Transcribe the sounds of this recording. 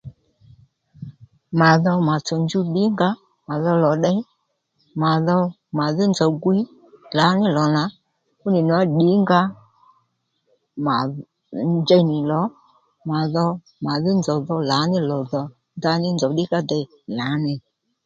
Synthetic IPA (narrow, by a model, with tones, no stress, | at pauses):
ma˨ðɔ˧ma˨t͡sɔ˨nd͡ʒu˦ɗi˨˦ŋɡa˦ | ma˨ðɔ˧lɔ˨ɗɛ˦ | ma˨ðɔ˧ | ma˨ðɪ˦nd͡zɔ˨ɡwi˦ | la˨˦nɪ˦lɔ˨na˨˦ | kʊ˦nɪ˨nʊ˨a˦ɗi˨˦ŋɡa˦ | ma˨ | d͡ʒɛ˧˦nɪ˨lɔ˨˦ | ma˨ðɔ˧ | ma˨ðɪ˦nd͡zɔ˨ðɔ˧la˨˦nɪ˦lɔ˨ðɔ˨ | nda˧nɪ˦nd͡zɔ˨ɗɪ˦ka˦dɛ˨ | la˨˦nɪ˨